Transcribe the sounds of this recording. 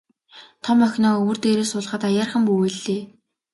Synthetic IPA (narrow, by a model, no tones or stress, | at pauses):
t̪ʰɔmœxʲnɔːɵwɵ̆rt̪eːɾeːsʊːɮ̆χə̆t̪ajaːrχə̆mpuweɮeː